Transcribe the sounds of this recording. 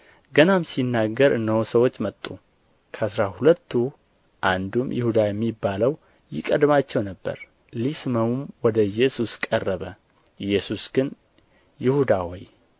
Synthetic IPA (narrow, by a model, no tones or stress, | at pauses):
ɡənamsinːaɡːəɾɨnːəwsəwo̞t͡ʃːmət̪ʼːu | kʰəʔsɾahulət̪ʰːu | ʔand̪umjɪ̰hud̪ajɛmːibːaləw | jɪkʼəd̪mat͡ʃːɛwnəbːə̰ɾ | lisməmumwɔd̪əjɛsuskʼərːəβə | jɛsusɡ̥ɨn | jɪhud̪awɔj